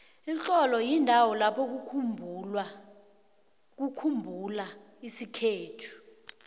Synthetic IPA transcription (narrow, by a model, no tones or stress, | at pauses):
it͡ɬɔlɔjindʱawɔlapʰɔk̬u | k̬ukʰumbʱula | isikʰeːtʰu̥